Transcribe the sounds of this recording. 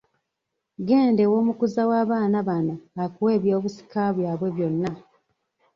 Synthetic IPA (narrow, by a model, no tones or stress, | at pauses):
ɡe̞ːnde̞wo̞ːmukuzawaːβaːnaβanoakuwe̞ːβjo̞ːβusi̥kaβwaːβwe̞βjo̞nːa